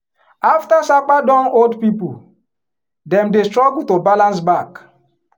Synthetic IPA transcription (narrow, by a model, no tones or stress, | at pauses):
aftasak͡padɔ̃noldpipu | dɛ̃mdestɾɔɡultobalãns̬bak